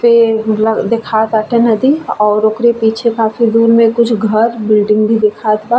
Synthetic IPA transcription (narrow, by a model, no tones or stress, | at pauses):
peld̪ɪkʰaːt̪əʈʰenɐd̪iɔːɾoːkɾepiːt͡ʃʰekaːfid̪uːɾmẽkʊt͡ʃʰɡʱɐɾbɪlɖɪ̃ŋɡbʱid̪ɪkʰaːt̪baː